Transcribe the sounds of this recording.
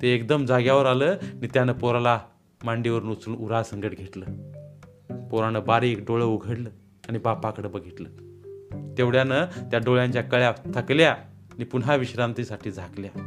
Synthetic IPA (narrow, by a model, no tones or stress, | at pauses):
t̪eekd̪əmd͡zaɡjaʋəɾaləːanit̪janəpɔɾala | maɳɖiʋəɾnut͡suːnuɾasəŋɡəʈɡʱeʈlə | pɔɾanəbaɾiːkɖoɭəuɡʱəɽləː | añibapakəɽəbəɡʱit̪ləː | t̪eʋɽjanət̪jaɖoɭjãɲt͡ɕjakəɭjat̪ʰəklja | nipunɦaʋiɕɾant̪isaʈʰiːd͡zʱaklja